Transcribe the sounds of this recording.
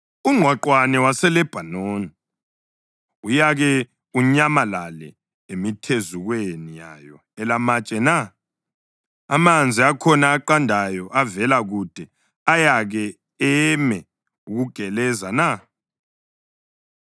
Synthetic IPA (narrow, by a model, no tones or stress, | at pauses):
uŋ͡ǀʱwaǃwanɛwasɛlɛb̥ʱanoːni | ujaɣɛ | uɲamalalɛ̰ | emitʰezuɣwenija̰jɔ | ɛlamat͡ʃʼɛna | amand͡zʱiakʰɔnaːǃandʱajɔʔavɛlaɣud̥ʱɛ | ajaɣɛ | ɛmɛ | uɣuɡ̥ʱɛlɛzana